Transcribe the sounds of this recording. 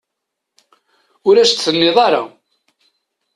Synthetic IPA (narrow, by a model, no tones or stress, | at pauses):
ʊɾæʃt̪θənːɪðˤɑɾa̰